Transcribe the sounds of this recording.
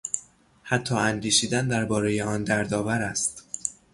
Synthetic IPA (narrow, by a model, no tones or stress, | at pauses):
hæt̪ʰːɒːænd̪iːʃiːd̪ænd̪æɾbɒːɾe̞jeɒːnd̪æɾd̪ɒːvæɾæst̪